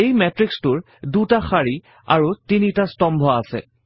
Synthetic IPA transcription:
ejmɛtɹikstuɹ | dutaxaɹi | a̰ɹutinitastɔmbʱɔasɛ̰

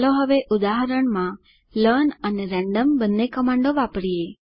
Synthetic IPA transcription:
loɦəʋeʔud̪aɦəɾəɳmã | ləɳəneɾɛ̃ɳɖəmbənːekəmãɳɖoʋapɽie

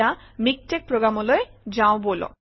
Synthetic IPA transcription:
amik̚ʈek̚pɾoɡɾamoloed͡ʑãobolo̰

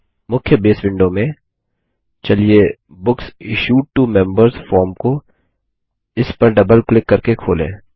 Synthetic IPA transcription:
mʊkʰjəbeːsʋɪ̃ɳɖomẽ | t͡ʃɐlie | bʊksɪʃuːʈ̚ʈumɛ̃mbəɾzfɔːɾmko | ɪspɐɾɖɐbəlklɪkːɐɾkekʰoːlḛ̃ː

